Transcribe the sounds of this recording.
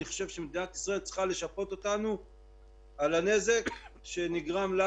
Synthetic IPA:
iχoʃe̞vʃemed̪inat̪i̥sʁae̞lt͡sχale̞ʃapo̞t̪o̞t̪anu | alane̞ze̞kʃe̞niɡʁamla

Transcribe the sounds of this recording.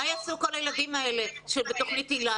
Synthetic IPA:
ajasuko̞lajeladimaeleʃebeto̞χnitila

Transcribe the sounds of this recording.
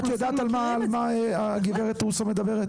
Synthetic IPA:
jad̪at̪almalmaaɡibeʁet̪ʁusomed̪abeʁet

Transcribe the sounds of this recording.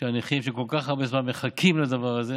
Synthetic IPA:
ʃeaniχimʃeko̞lkaχhaʁbezmanme̞χakʰimlad̪avaʁaze

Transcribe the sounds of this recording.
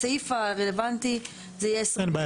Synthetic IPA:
aifaʁelevant̪i | zejesanba

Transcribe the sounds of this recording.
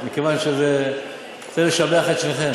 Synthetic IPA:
mikevanʃeze | t͡seleʃabeaχet̪sneχem

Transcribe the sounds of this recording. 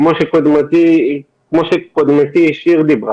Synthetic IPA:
moʃekod̪mat̪i | kmoʃekod̪mat̪iiʃiʁd̪ibʁa

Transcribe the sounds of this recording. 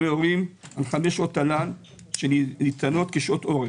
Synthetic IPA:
eoʁimalχame̞ʃʔo̞t̪alan | ʃenit͡sano̞t̪keʃʔo̞t̪o̞ʁe

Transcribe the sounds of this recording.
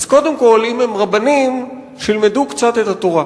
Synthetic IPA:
azko̞d̪emko̞limemʁabanim | ʃilmedukt͡sat̪et̪at̪oʁa

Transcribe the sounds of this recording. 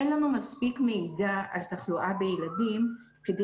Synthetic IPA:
enlanumaspikmeidaʔalt̪aχluʔabejeladim | ked̪e

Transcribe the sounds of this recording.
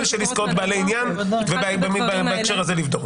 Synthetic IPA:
lʃeliskot̪bealeinjan | vebbemibbaekʃeʁazelivd̪ok

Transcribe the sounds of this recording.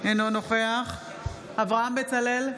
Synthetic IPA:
enonoχe̞aχ | avʁaambet͡salel

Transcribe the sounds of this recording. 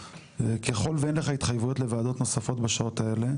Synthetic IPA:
keχo̞lveenleχait̪χajvujo̞tlevaːd̪o̞t̪no̞safo̞t̪baʃaotae̞le̞

